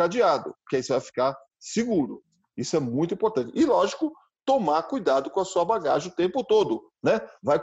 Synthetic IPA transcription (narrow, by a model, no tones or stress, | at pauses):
ad͡ʒiad̪ʊ̰pʊkaisʊvajfi̥kaɾ | sɪɡuɾʊ | isʊɛmũj̃t̪ʊĩpoɾt̪ɐ̃nt͡ʃɪʔɪlɔʒikʊ | t̪omaɾkujd̪ad̪ʊkõɐsuɐbaɡa̰ʒɪ̃ʊt̪ẽmpʊt̪od̪ʊ | nɛvaj